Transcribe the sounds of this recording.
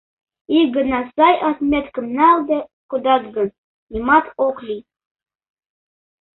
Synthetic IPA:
iɡənɑsɑjʔɑt̪mʲet̪kəmnalˠd̪ekud̪ɑzɡɤn | imɑt̪oklʲi

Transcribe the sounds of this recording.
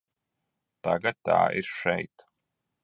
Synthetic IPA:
t̪aɡɐt̪ʰa̰ːʔiɾʂɛjt̪

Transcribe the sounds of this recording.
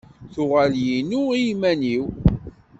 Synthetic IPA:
θʊʁaljinuijmæniw

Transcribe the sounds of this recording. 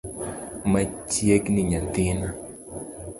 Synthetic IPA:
mat͡ʃjekniɲad̪ɪna

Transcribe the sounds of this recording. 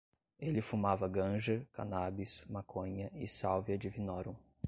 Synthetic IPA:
elɪfumavɐɡɐ̃ʒɐɾka̰nabismakʰõɲɐɪsawviɐd͡ʒɪvinɔɾõ

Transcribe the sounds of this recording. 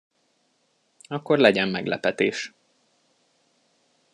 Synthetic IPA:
ɒkːo̞rlɛɟɛmːɛɡlɛpɛt̪eːʃ

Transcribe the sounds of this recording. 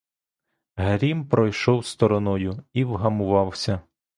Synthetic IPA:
ɦɾʲimpɾɔjʃɔwst̪ɔɾɔnɔjʊiwɦɐmʊʋɑwsʲɐ

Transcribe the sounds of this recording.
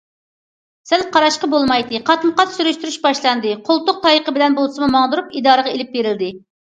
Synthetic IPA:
sælqʰɑɾɑʃqɑbolˠmɑjd̪ɨqʰɑt̪məqɑt̪syɾyʃt̪yɾyʃbɑʃlˠɑnd̪ɨqʰolˠt̪ʊq̚t̪ʰɑjəqəbɪlɛnbolˠsɨmumɑŋd̪uɾupid̪ɑːɾəʁɑelɪp̚beɾɪld̪ɪ

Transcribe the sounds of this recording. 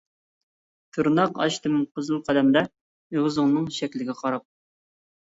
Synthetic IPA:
t̪ʰɨɾnɑqɑ̰ʃt̪ʰɨmqʰəzɨlˠqʰɑlɛmd̪ɛ | iʁəzɨŋnɨŋʃɛkʲlɪɡʲɛqʰɑɾɑqp̚

